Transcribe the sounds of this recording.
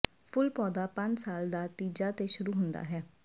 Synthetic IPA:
pʰʊlpɔːd̪aːpə̃ɲd͡ʒsaːld̪aːt̪iːd͡ʒaːt̪eːʃʊɾuːɦʊnd̪a̰ːɦɛː

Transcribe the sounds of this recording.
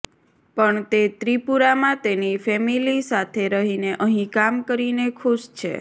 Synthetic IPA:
pəɳt̪et̪ɾipuɾamãt̪enifɛmilisat̪ʰeɾəɦineʔəɦĩkamkəɾinekʰuʃt͡ʃʰḛ

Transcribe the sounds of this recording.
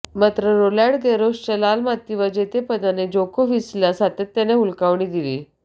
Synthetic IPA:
mat̪ɾəɾolaɽɡeɾost͡ɕəlalmat̪ːiʋəd͡ʑet̪epəd̪aned͡ʑokoʋislasat̪et̪ːjaneɦulkaʋɳiːd̪iliː

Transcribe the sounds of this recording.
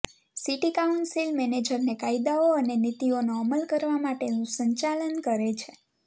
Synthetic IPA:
siʈikauɳʈsilmɛned͡ʒəɾnekaid̪aoənenit̪ionoəməlkəɾʋamaʈenũsəɲt͡ʃalənkəɾet͡ʃʰe

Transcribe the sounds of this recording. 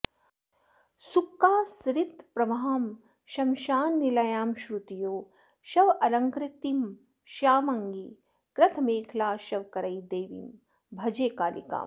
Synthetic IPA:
sukːaːsɾit̪pɾɐmaɦaːm | ʃɐmʃaːnːilɐjaːmʃɾut̪ijoː | ʃɐʋɐlɐŋkɾɪt̪im | ʃaːmɐŋɡi | kɾɐt̪ʰmeːkʰlaːʃɐʋkɐɾɐjd̪eːʋḭm | bʱɐd͡ʒeːkaːlḭka̰ːm

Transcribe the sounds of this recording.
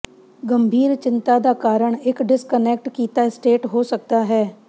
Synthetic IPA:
ɡəmbʱiːɾt͡ʃɪnt̪aːd̪aːkaːɾəɳɪkɖɪskənɛːk̚ʈkiːt̪aːɪsʈeːʈɦoːsək̚d̪aːɦɛː

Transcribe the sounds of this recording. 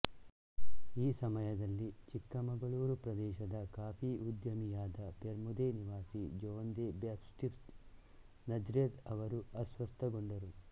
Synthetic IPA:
iːsɐmɐjɐd̪ɐlːit͡ʃikːɐmɐŋɡɐɭuːɾupɾɐd̪ɛːʃɐd̪ɐkaːpʰiud̪jɐmijaːd̪ɐpeɾmud̪eniʋaːsid͡ʒɔːɐnd̪eːbjaːpsʈift̪ | nɐd͡ʒɾeːt̪ɐʋɐɾuɐsʋɐst̪ʰɐɡoɳɖɐɾu

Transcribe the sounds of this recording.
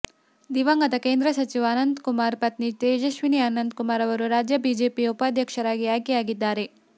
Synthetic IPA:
d̪iʋɐŋɡɐd̪ɐkeːnd̪ɾɐsɐt͡ʃiʋaːnɐnd̪kumaːɾpɐt̪nit̪eːd͡ʒɐʃʋiniaːnɐnd̪kumaːɾɐʋɐɾuɾaːd͡ʒjɐbiːd͡ʒeːpiupaːd̪ʱjɐkʃɐɾaːɡiaːjkijaːɡid̪ːaːɾe̞

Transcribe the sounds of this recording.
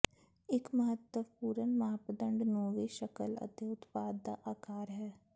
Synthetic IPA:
ɪkməɦət̪ːəpuːɾənmaaːpd̪ə̃ɳɖnoːʋiʃəkələ̰t̪eʊt̪paːd̪ːa̰ʔaːkaːɾɦɛː

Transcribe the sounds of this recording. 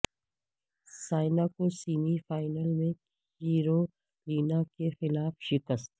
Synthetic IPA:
saːɪnakosiːmifaːɪnəlmẽ | hiːɾo | liːnakexɪlaːfʃɪkəst̪̚

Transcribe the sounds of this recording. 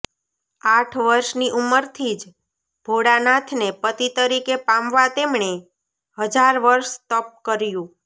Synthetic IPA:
aʈʰʋəɾʃniʔuməɾt̪ʰid͡ʒ | b̥ʱoɽanat̪ʰnepət̪it̪əɾikepãmʋat̪emɳe | ɦəd͡ʒaɾʋəɾʃt̪əp̚kəɾjũ

